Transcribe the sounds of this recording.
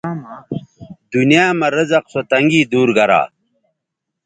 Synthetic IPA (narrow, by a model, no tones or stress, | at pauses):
d̪unjaːmɐɾɐzɐqsot̪ɐŋɡiːd̪uːɾɡɐɾa̰ː